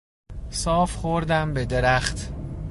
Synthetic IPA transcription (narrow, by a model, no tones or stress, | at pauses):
sɒːfχoɾd̪æmbed̪eɾæχt̪